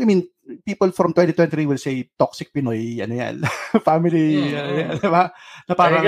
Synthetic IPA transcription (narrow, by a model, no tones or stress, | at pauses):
ɐmĩn | piːpolfɹɔmt̪wɛ̃nt̪it̪wɛ̃nɾiwɪlsejt̪oksɪk̚pɪnojʔɐ̰noja̰nfamɪliɐnojand̪ɪbanɐpaːɾɐ